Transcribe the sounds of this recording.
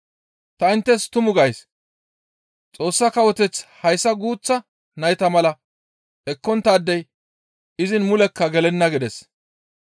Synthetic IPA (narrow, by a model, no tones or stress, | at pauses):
t̪ɐɪnt̪ːɛst̪ʊmʊɡɐjs | t͡sʼo̞ːsːɐkɐwɔt̪ɛt͡shɐjsːɐɡuːt͡sːɐ | nɐjt̪ɐmɐlɐ | ɛkːɔnt̪ːaːd̪ːɛj | ɪzɪnmʊlɛkːɐɡɛlɛnːɐɡɪd̪ɛs